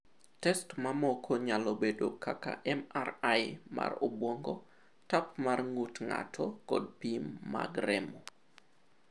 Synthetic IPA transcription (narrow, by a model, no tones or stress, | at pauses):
tɛstmamɔkʰɔɲalɔbedokaka̰ʔɛmaraɪma̰robwɔŋɡɔ | tapmarŋutŋa̰tʰɔkɔ̰d̚pimːa̰ɡɾɛmo